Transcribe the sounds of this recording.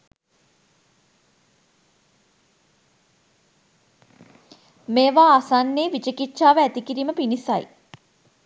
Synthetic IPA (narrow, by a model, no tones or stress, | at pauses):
meːʋaːsanːeːʋit͡ʃəkitːʃaːʋəæt̪ikiɾiːməpinisaj